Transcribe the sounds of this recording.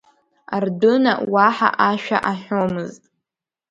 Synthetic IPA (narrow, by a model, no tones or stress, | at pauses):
ardɨna̰waħa̰ʔaʃᶣa̰ʔaħʷᶣomɨztʼ